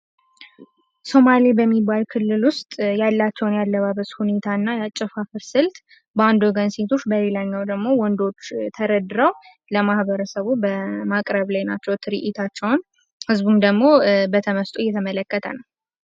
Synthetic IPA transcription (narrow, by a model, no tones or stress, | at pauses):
so̞malibəmːibːalkʰɨlːɨlwʊst̪ʼjalːat͡ʃːɛwnjalːəβaβəshune̞t̪ʰaɨnːajat͡ʃʼːɛfafɨɾsɨlt̪ | band̪o̞ɡənse̞t̪ʰo̞t͡ʃːbəle̞laɲːawd̪əɡmo̞wɔnd̪o̞t͡ʃːt̪ʰəɾəd̪ɨɾəw | ləmahbəɾəsəβubəmakʼɾəβlajnat͡ʃːɛwt̪ʰɨɾiʔit̪ʰat͡ʃːɛwn | hɨzbumd̪əɡmo̞bət̪ʰəməst̪ʼujːɛt̪ʰəmələkːət̪ʰə̰nəw